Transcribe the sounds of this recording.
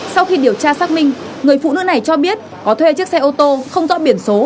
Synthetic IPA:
sa˧wxi˧ɗi˨˩əwt͡ɕaː˧saː˦˥k̚mï˧ŋ̟ | ŋɨ˨˩əjfṵ˧˨nɨ̰˧˥na˨˩jt͡ɕɔ˧ɓi˦˥ət̚ | kɔ˨˦t̪ʰwe˧t͡ɕɨ˦˥ək̚sɛ˧jʔo˧t̪o˧xə˧wŋ͡mzɔ̰˧˥ɓi˧˩ənso˨˦

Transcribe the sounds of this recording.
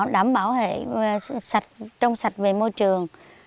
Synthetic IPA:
ɗaː˧˩mɓaː˧˩whḛ˧˨sa˨˩k̚t͡ɕɔ˧wŋ͡msa˨˩jt̟̚ve˨˩moː˧jt͡ɕɨ˨˩əŋ

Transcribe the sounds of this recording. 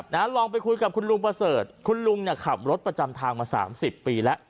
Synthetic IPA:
na˦˥lɔː˧ŋpa˧jkʰu˧jka˨˩kʰu˧nlu˧ŋpɾa˧sɤː˨˩t̪̚kʰu˧nlu˧ŋni˧˩kʰa˨˩p̚ɾo˦˥t̪̚pɾa˧t͡ɕa˧mt̪ʰaː˧ŋmaː˧sa̰ː˩˦msi˨˩pːiː˧lɛ˦˥ʔ

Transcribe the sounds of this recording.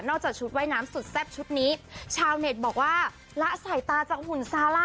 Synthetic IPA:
nɔː˥˩k̚t͡ɕaː˨˩k̚t͡ɕʰu˦˥t̪̚wa˦˥˩jnaː˦˥msu˨˩t̪̚sɛː˥˩p̚t͡ɕʰu˦˥t̪̚niː˦˥t͡ɕʰaː˧wne˨˩t̪̚bɔː˨˩k̚waː˥˩ | la˦˥ʔsa˨˩jt̪aː˧t͡ɕaː˨˩k̚hu˨˩nsaː˦˥la˥˩

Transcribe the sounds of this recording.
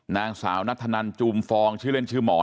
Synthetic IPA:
naː˧ŋsa̰ː˩˦wna˦˥t̪ʰːa˧na˧nt͡ɕuː˧mfɔː˧ŋt͡ɕʰɯː˥˩le˥˩nt͡ɕʰɯː˥˩mɔː˩˦

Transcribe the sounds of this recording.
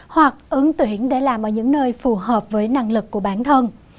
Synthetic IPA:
hwa˨˩k̚ʔɨ˨˦ŋt̪wi˧˦ənɗe˧˩laː˨˩mʔəː˧˩ɲɨ̰˧˥ŋnəː˧jfu˨˩ɦəː˨˩p̚vəː˨˦jna˧ŋlɨ˨˩kːu˧˩əɓaː˧˩nt̪ʰə˧n

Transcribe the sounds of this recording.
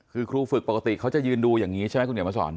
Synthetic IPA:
kʰɯː˧kʰɾuː˧fɯ˨˩k̚po˨˩ka˧t̪ḭ˨˩kʰa˦˥wt͡ɕa˨˩jɯː˧nduː˧jaː˨˩ŋiː˦˥t͡ɕʰa˦˥˩ma˦˥kʰu˧nʰkma˧˩sɔ̰ː˩˦n

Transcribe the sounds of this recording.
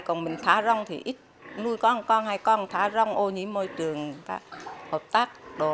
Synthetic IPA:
jkɔ˨˩nmï˨˩ŋ̟t̪ʰaː˨˦zɔ˧wŋ͡mt̪ʰḭ˨˩ʔi˦˥t̚nu˧jkɔ˧nkɔ˧nhaː˧˩jkɔ˧nt̪ʰaː˨˦zɔ˧wŋ͡mʔo˧ɲḭ˧˦mo˧jt͡ɕɨ˨˩əŋk̪aː˧˦həː˨˩p̚t̪aː˦˥k̚ɗo˨˦

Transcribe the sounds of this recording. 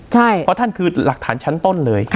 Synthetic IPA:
t͡ɕʰa˥˩jʰɔ˦˥t̪ʰa˥˩nkʰɯː˧la˨˩k̚t̪ʰaː˩˦nt͡ɕʰa˦˥nt̪o˥˩nlɤː˧jkʰ

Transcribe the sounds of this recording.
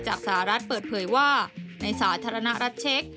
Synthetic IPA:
t͡ɕaː˨˩k̚saː˩˦ɾa˦˥t̪̚pəɤː˨˩t̪̚pʰɤː˩˦jwaː˥˩na˧jsaː˩˦t̪ʰaː˧ɾa˧na˦˥ɾa˦˥t̪̚t͡ɕʰe˦˥k̚

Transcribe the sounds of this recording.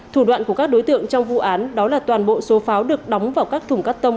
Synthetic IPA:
t̪ʰu˧˩ɗwa̰ː˧˨nku˧˩kaː˦˥k̚ɗo˨˦jt̪ɨ̰˧˨əŋt͡ɕɔ˧wŋ͡mvṵ˧˨ʔaː˨˦nɗɔ˨˦laː˨˩t̪waː˨˩nɓo̰˧˨so˨˦faː˨˦wɗɨ˨˩ək̚ɗɔ˨˦wŋ͡mvaː˨˩wkaː˦˥k̚t̪ʰʊ˨˩ŋ͡mkaː˦˥p̚t̪ə˧wŋ͡m

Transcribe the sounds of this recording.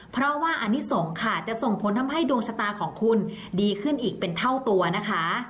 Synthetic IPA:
pʰɾɔ˦˥waː˥˩ʔa˧nːi˦˥so˩˦ŋkʰaː˧˨˩t͡ɕa˨˩ʔso˨˩ŋpʰo˩˦nt̪ʰa˧mɦa˥˩jduː˧əŋsʰa˧t̪aː˧kʰɔː˩˦ŋkʰu˧n | diː˧kʰɯ˥˩nʔiː˨˩k̚pe˧nt̪ʰa˥˩wt̪u˧ɐna˦˥kʰa˦˥

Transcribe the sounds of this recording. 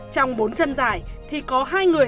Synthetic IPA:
t͡ɕɔ˧wŋ͡mɓo˨˦nt͡ɕə˧nzaː˨˩jt̪ʰi˨˩kɔ˨˦ɦaː˧jŋɨ˨˩ə

